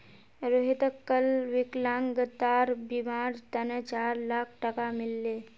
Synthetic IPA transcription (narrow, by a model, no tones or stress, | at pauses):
ɾoɦit̪əkːəlʋɪklãːŋɡət̪ːaːɾbimaːɾt̪ənət͡ʃaːɾlaːkʰʈəkamɪlːeː